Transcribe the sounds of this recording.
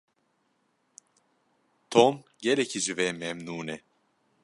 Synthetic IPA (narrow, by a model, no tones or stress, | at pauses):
t̪ʰomɟeɾɛcʰid͡ʒivɛmɛmnuːnɛ